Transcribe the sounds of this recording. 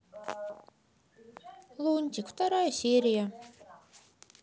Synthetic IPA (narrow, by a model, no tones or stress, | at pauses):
lˠunʲt̪ʲiku̥t̪aɾajsʲiːɾʲija